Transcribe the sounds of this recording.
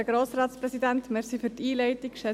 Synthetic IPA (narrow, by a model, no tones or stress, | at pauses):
əɡɾoːsɾɑːt̪spɾɛsidænt̪meɾsifytiːlɛɪtikʃɛ